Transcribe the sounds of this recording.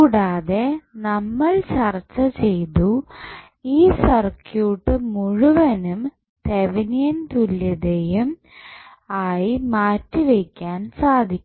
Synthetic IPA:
kuːɽaːðe̞nɐmːɐɭt͡ɕɐrt͡ɕːɐt͡ɕe̞jt̪u | iːsɐrkjuːʈːɨmuɻuʋɐnum | t̪eʋinijɐnt̪ulːɐðejum | aːjimaːtːiʋekʲːaːnsaːd̪ʱikʲː

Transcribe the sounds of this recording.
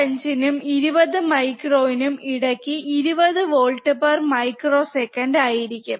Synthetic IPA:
ɐɲd͡ʑinumiɾubɐðɨmɐjkroːinumiɽɐkːiʔiɾubɐðɨʋoːɭʈːɨpɐrmɐjkro̞ːsekːɐnɖaːjiɾikʲːum

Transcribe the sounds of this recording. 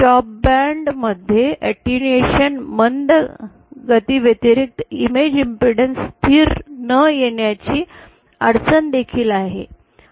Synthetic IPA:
ʈɔp̚bæɳɖməd̪ʱːjeʔɛʈunieɕənmənd̪ə | ɡət̪iːʋjet̪iɾik̚t̪imed͡ʑimpɾiɽənst̪ʰiːɾnəjeɳjat͡ɕiː | əɽt͡sənd̪ekʰiːlaɦḛ

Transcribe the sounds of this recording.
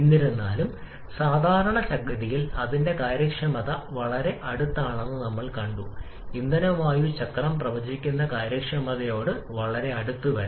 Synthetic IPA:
enːiɾunːaːlum | saːd̪ʱaːɾɐɳɐt͡ɕɐɡɾɐðijilɐðinde̞kaːɾjɐkʂɐmɐðɐʋɐɭɐɾe̞ʔɐɽut̪ːaːɳe̞nːɨnɐmːɐɭkɐɳɖu | ind̪ɐnɐʋaːjut͡ɕɐkːɐɭɐmprɐʋɐd͡ʑikʲːunːɐkaːɾjɐkʂɐmɐðɐjo̞ːɽɨʋɐɭɐɾe̞ɐɽut̪ːuʋɐɾu

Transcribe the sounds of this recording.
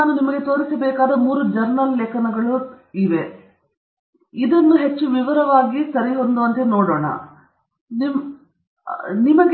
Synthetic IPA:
aːnunimɐɡe̞t̪o̞ːɾisɐbɛːkaːd̪ɐmuːɾud͡ʒɐɾnɐlːɛkɐnɐɡɐɭu | iʋe̞ | id̪ɐnːuɦe̞t͡ʃːuʋiʋɐɾɐʋaːɡisɐɾiɦond̪uɐnt̪enoːɽoːɳɐ̰ | nim | nimɐɡ

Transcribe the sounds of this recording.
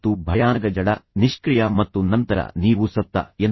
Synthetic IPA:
t̪ːubʱɐjaːnɐɡɐd͡ʒɐɽɐniʂkɾijɐmɐt̪ːunɐnt̪ɐɾɐ̰niːʋusɐt̪ːɐ̰en

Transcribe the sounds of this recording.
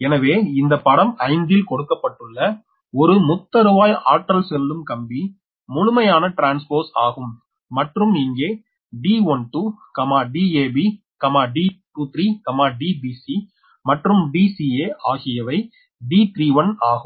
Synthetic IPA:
ɛnɐʋeːɪnd̪ɐpːɐɽɐmɐɪnd̪ɪlkɔɽɯkːɐpːɐʈːɯɭːɐ | ɔɾɯmʊt̪ːɐɾɯbaːjaːʈɾɐlsɛlːɯmkɐmbi | mʊɻʊmɐjaːnɐʈɾaːnspoːsa̰ːɣɯmː | ɐʈrɯmniːŋɡeː | ɖiːɔnʈukɐmaːɖiːeːbi | kɐmaːɖiːʈuːt̪ɾikɐmaːɖiːbiːsi | mɐʈrɯmɖiːsieːʔaːɣɪjɐʋɐɪ | ɖiːt̪ɾiːʋɐnaːɣɯm

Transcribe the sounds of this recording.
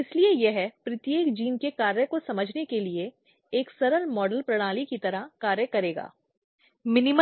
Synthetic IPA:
ɪsliejeɦɛpɾɪt̪jeːkd͡ʒiːnkekaːɾjəkosɐməd͡ʒʱnekelie | eːksɐɾəɾmɔːɖəlpɾɐɽ̃aːlikit̪ɐɾəkaːɾjəkɐɾeːɡa̰ː | mɪnɪm

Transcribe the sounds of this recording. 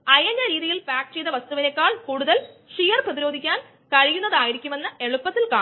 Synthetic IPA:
ɐjɐndɐɾiːðijilfaːk̚ʈt͡ɕejðɐʋɐst̪uʋinɐkːaːɭkuːɽuðɐl | ʂijɐrprɐðiɾo̞ːd̪ʱikʲːaːn | kɐɻijunːɐðaːjiɾikʲːume̞nːɨe̞ɭupːɐt̪ːilkaː

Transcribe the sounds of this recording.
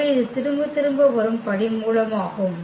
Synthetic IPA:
ɐɪðɯt̪ɪɾɯmbɯt̪ɪɾɯmbɐʋɐɾɯmpɐɽɪmuːlɐmaːɣɯm

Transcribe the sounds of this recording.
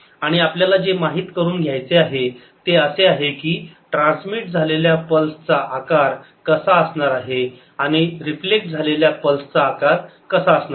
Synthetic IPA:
aɽ̃iapljalad͡zemaɦiːt̪kəɾuːnɡʱjajt͡seaɦe | t̪eəseaɦekiːʈɾãnsmiʈ̚d͡zʱaleljapəlsət͡saʔakaɾ | kəsaəsɳaɾaɦe | aɽ̃iɾiflek̚sd͡zʱaleljapəlst͡saːkaɾkəsaəsna

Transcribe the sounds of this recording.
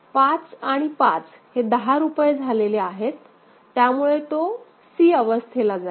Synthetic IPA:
pat͡saɽ̃ipat͡s | hed̪əɦaɾupjed͡zʱaleleaɦet̪ː | jamuɭet̪o | siːəʋəst̪ʰelad͡za

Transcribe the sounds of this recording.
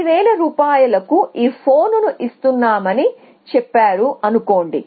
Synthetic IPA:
ʋɛːɭɐɾuːpaːjɐlɐkuʔiːpʰo̞ːnunuʔist̪unːaːmɐni | t͡ʃɛpːaːɽuɐnuko̞ːɳɖḭ

